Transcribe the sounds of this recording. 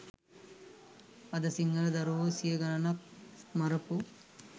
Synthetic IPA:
ɐd̪ɐsiŋɡɐɭɐd̪ɐɾosijɐɡɐnɐnɐmɐɾɐpu

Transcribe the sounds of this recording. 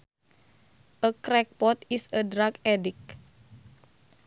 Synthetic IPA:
ʔəkɾɛk̚pɔt̪isədɾakɛdik̚

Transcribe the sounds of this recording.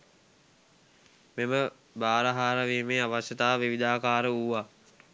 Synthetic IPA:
memə | baːɾəɦaːɾaʋeːmeːaʋaʃjət̪aːʋiʋid̪aːkaːɾəuʋa

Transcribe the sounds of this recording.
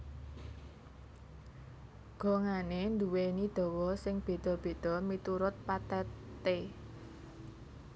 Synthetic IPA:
ɡ̥ɔ̤ŋanend̪uwenid̪̥ɔ̤wɔsɪŋb̥e̤d̪̥ɔ̤b̥e̤d̪̥ɔ̤mit̪uɾʊt̪̚pat̪ɛ | t̪e

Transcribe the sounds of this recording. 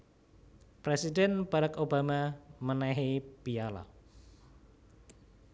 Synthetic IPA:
pɾesidɛnb̥aɾakobamamənaɦepiala̰

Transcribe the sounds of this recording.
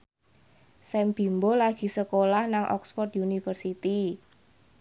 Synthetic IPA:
sɛmb̥i̤mbolaɡ̥i̤səkolahnaŋʔɔ̰ksfɔrt̪̚junifərsit̪i

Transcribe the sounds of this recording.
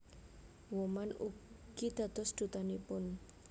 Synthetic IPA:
wɔmanuɡɡ̥id̪̥a̤d̪̥ɔ̤sd̪̥ṳt̪anipʊn

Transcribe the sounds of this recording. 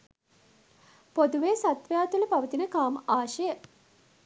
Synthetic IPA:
pod̪uʋeːsat̪ʋjaːt̪uləpaʋət̪inəkaːməaːʃəjə

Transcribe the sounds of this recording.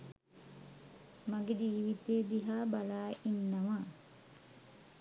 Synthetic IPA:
maɡed͡ʒiːʋit̪eːd̪iɦaːbalaːinːaʋaː

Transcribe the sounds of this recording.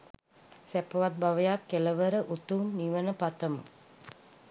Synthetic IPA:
sæpəʋat̪̚baʋəjakːeləʋəɾəʔut̪uːnːiʋənəpat̪əmə̰

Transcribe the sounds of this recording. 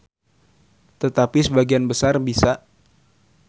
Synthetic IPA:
t̪ət̪apisəbaɡianbəsarbisa

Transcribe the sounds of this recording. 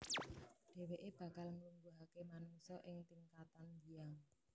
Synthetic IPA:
ɖ̥e̤weʔeb̥a̤kalŋumbuɦakemanuŋsɔʔɪŋt̪iŋkat̪andiaŋ

